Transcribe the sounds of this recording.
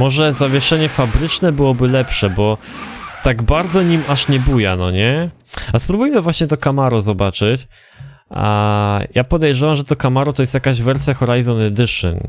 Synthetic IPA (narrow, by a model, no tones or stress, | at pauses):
mɔʐɛzavʲjɛʂɛɲɛfabɾɘt͡ʂnɛbɘwɔbɘlɛpʂɛbɔ | t̪aɡbaɾd̪zɔɲimaʂɲɛbujanɔɲɛ | aspɾubujmɘvwaɕɲɛt̪ɔkamaɾɔzɔbat͡ʂɘt͡ɕ | a̰japɔd̪ɛjʐɛvamʐɛt̪ɔkamaɾɔt̪ɔjɛst̪jakaʑvɛɾsʲjaxɔɾajzɔnɛd̪ɘʂɨ̰n